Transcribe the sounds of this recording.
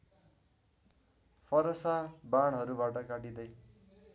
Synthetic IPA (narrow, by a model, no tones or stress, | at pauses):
pʰʌɾʌsabaɽ̃ɦʌɾubaʈʌkaʈid̪ʌj